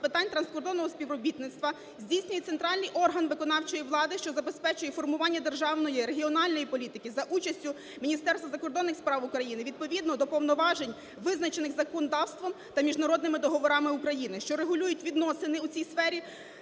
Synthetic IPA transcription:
pɪt̪ɑnʲt̪ɾɐnskɔrd̪ɔnːɔɦɔsʲpʲiʋrɔbʲit̪nɪt̪st̪ʋɐ | zʲdʲijsʲnʲʊjɛt̪sent̪ɾɑlʲnɪjʔɔrɦɐnʋɪkɔnɑwt͡ʃɔjiʋlˠɑd̪ɪʃt͡ʃɔzɐbe̞spɛt͡ʃʊjɛfɔrmʊʋɑnʲːɐd̪erʒɑwnɔjiɾeɦʲiɔnɑlʲnɔjipɔlʲit̪ɪkɪzɐʔut͡ʃɐsʲtʲʊ | mʲinʲist̪ɛrst̪ʋɐzɐkɔrd̪ɔnːɪxspɾɑwʊkɾɐjinɪʋʲid̪̚pɔʋʲid̪nɔd̪ɔpɔwnɔʋɑʒenʲ | ʋɪznɐt͡ʃenɪxzɐkɔnɔd̪ɑwst̪ʋɔm | t̪ɐmʲiʒnɐɾɔd̪nɪmɪd̪ɔɦɔʋɔɾɑmɪukɾɐjinɪʃt͡ʃɔɾeɦʊlʲujʊtʲʋʲid̪nɔsɪnɪut͡sʲijsfɛɾʲi

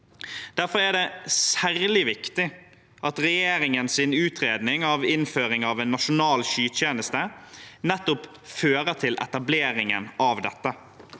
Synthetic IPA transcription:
d̪̥æɾfɔɾæɖɛsæɾlɪʋɪkt̪ɪ | ʔɑt̪ɾɛjeːɾɪŋənsɪnʉːt̪ʰɾeːd̪nɪŋɑʋɪnføːɾɪŋɑʋeːnːɑʃʊnɑːlʃyːt̪ʰjeːnəst̪ənɛt̪ːʊp | føːɾət̪ʰɪlʔɛ̰t̪ɑbleːɾɪŋə̰nʔɑʋd̪ɛt̪ːə

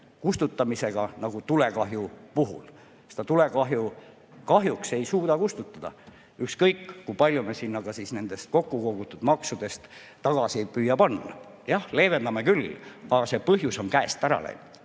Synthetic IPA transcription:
kust̪ut̪ːˑɑmise̞ɡ̥ɑnɑɡ̥ut̪ule̞kɑɦjupuɦṵl | sed̪̥ɑt̪ule̞kɑɦju | kɑɦjukse̞jsuːd̪ɑkust̪ut̪ːˑɑd̪̥ɑ̰ | ykskɤjkːkujpɑlʲjumesinːɑɡ̥ɑsiːsne̞nd̪̥e̞st̪̚ko̞kːuko̞ɡ̥ut̪ːˑud̪̥mɑksud̪̥e̞st̪ː | ɑɡ̥ɑsipyjːɑpɑnːɑ̰ | jɑhle̞ːve̞nd̪̥ɑmekylɑɡɑse̞pɤɦjuso̞nkæest̪æɾɑ̰lḛjnud̪̥

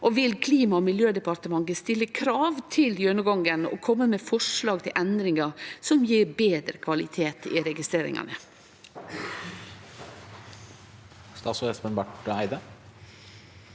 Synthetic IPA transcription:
ʔɔʋɪlkʰliːmɑɔmɪljøːd̪ɛpɑɾt̪əmɑŋɡəst̪ɪlːəkʰɾɑːʋt̪ʰɪljøɳəɡɑŋɡənɔ̰kʰɔmːəmɛfɔʂlɑːɡ̚t̪ʰɪlʔɛnd̪ɾɪŋɑsɔmjiːɾbeːd̪ɾəkʰʋɑlɪt̪ʰeːt̪ɪ̰ɾɛɡɪst̪ɾeːɾɪ̰ŋɑ̰nə | st̪ɑːsɔɛspənbɑʈæɪd̪ə

